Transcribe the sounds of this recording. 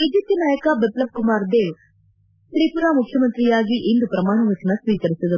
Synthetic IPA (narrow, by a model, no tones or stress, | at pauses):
id͡ʒip̚t̪jɐnaːjɐkabet̪lɐb̚kumaːɾd̪eːʋ | t̪ɾiːpuɾaːmukʰjɐmɐnt̪ɾijaːɡiʔend̪upɾɐmaːɳɐʋɐt͡ʃɐnɐsʋiːkɐɾisid̪ɐ